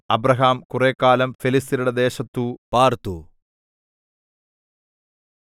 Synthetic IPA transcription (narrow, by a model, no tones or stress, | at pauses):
ɐbrɐɦaːmkureːkːaːlɐmfelist̪iluɽed̪e̞ːɕɐt̪ːupaːrt̪u